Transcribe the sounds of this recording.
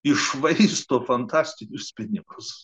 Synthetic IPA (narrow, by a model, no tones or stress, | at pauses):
ɪʃʋɐɪst̪oːfɐnt̪ɑːsʲt̪ʲɪnʲʊspʲɪnʲɪɡʊs